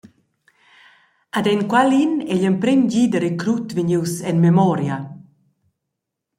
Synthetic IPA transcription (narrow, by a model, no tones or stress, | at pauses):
ad̪ɛnkwalinɛʎəmpɾimɟid̪əɾekɾut̪viɲiwsɛnmemɔɾja